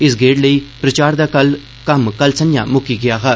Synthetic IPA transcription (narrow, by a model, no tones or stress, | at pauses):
ɪs̬ɡeːɖləiːpɾət͡ʃaːɾd̪aːkəl | kəmkəlsənjã̰ːmʊkiːɡɪjaːɦɛː